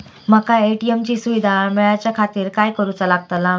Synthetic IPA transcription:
məkaeʈiemt͡ɕiːsuʋid̪ʱameɭat͡ɕjakʰat̪iːɾkajkəɾut͡salaɡ̚t̪ala

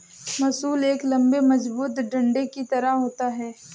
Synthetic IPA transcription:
mɐsuːleːklɐ̃mbemɐd͡ʒbuːt̪ɖɐ̃ɳɖekit̪ɐɾaɦoːt̪aɦɛː

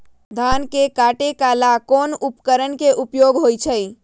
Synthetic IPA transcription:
d̪ʱankekaʈekalakonupkəɾənkeʔupjoɡɦojt͡ʃʰəj

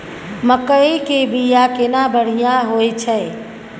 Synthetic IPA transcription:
məkəekebʱijakenabəɽ̤ijãɦoːet͡ʃʰɛ

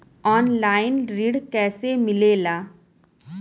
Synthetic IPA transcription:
ɔːnlaːɪnɾiːɽkɛːsemɪlelaː

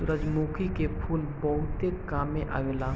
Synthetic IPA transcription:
ʊɾəd͡ʒmuːkikepʰuːlbɐɦʊt̪ekaːmẽʔɐ̰ɡla

